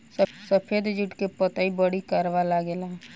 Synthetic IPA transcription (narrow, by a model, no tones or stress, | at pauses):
ssəpʰed̪d͡ʒʊʈkepət̪aibəɽikəɾʋalaɡela